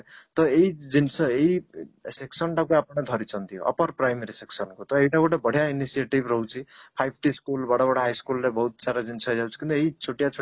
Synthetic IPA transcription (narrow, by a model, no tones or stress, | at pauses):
t̪ʌeid͡zinsʌeiseksʌnʈakuapɽ̃ad̪ʱʌɾit͡sʰʌnt̪ʰijoʔʌ̰pʌrprajmeɾiseksʌnkot̪ʌeiʈakoʈabʌɽ̤jainisieʈibɾʌɦũt͡sʰipʰajb̚ʱʈiskulbaɽaβʌɽaɦajskulːebʌɦut̪saɾad͡zinsʌjd͡zawt͡sʰi̥kint̪ʌeit͡sʰoʈjat͡sʰo